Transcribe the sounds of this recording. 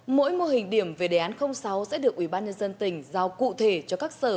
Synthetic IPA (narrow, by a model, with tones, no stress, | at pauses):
mo̰˧˥jmo˧ɦï˨˩ŋ̟ɗi˧˩əmve˨˩ɗe˨˩ʔaː˨˦nxə˧wŋ͡msa˨˦wsɛ̰˧˥ɗɨ˨˩ək̚ʔi˧˩ɓaː˧nɲə˧nzə˧nt̪ï˨˩ŋ̟zaː˧wkṵ˧˨t̪ʰe˧˩t͡ɕɔ˧kaː˦˥k̚səː˧˩